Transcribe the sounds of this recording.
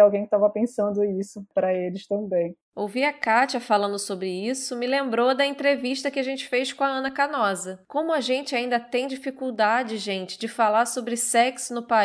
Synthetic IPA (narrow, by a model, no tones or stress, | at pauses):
awɡẽj̃kɪt̪avɐpẽsɐ̃nd̪ʊisʊpɾɐelɪʃt̪ɐ̃bẽj̃ | owviɐkat͡ʃɐfalɐ̃nd̪ʊsobɾɪisʊmɪlẽmbɾod̪ɐẽnt̪ɾeviʃt̪ɐkɪaʒẽnt͡ʃɪ̥fejʃkõɐɐ̃nɐkanɔzɐkõmʊɐʒẽnt͡ʃɪaĩnd̪ɐt̪ẽj̃d͡ʒifikuwd̪ad͡ʒɪʒẽnt͡ʃɪ̥d͡ʒɪfalaɾsobɾɪsɛksʊnʊpa